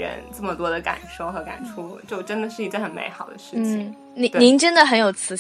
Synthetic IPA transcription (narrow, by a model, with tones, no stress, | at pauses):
ə̰˧˥nt͡sə˥˩mə˩t̪wɔ˥d̪ə˨ka̰˨˩nʂo˥˩ʊxɤ˧˥ka̰˨˩nʈ͡ʂʰu˥t͡ɕjo˥˩ʊʈ͡ʂə˥nd̪ə˨ʂɻ̩˥˩i˧˥ʈ͡ʂə˥xə˨˩nmḛ˧˥ɪxɑ˨˩ʊd̪ə˦ʂɻ̩˥˩nt͡ɕ̩ʰ˥˩i˨ŋ | ni˧˥˧ni˧˥ŋʈ͡ʂə˥nd̪ə˨xə˧˥njo˨˩ʊt͡sʰɹ̩˧˥